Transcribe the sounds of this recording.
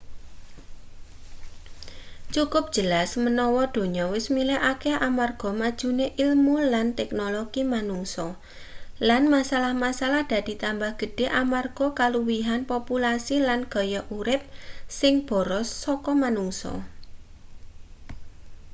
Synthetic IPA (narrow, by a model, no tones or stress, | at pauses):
t͡ʃukʊp̚d̥ʒ̥əlasmənɔwɔd̪̥o̤ɲɔwɪsmilɛʔakeʔamarɡ̥ɔ̤mad̥ʒ̥ṳneʔilmulant̪ɛknoloɡ̥imanuŋsɔ | lanmasalahmasalahd̪̥a̤d̪̥i̤t̪ambahɡ̥ə̤ɖ̥e̤ʔamarɡ̥ɔ̤kaluwiɦanpopulasilanɡ̥ɔ̤jɔʔuɾɪp̚sɪŋb̥ɔ̤ɾɔsːɔkɔmanuŋsɔ̰